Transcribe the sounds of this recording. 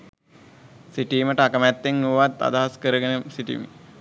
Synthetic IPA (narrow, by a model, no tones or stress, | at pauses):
siʈiːməʈəakəmæt̪ːeŋːuʋat̪ːa̰d̪aɦaskəɾəɡenəsiʈḭmḭ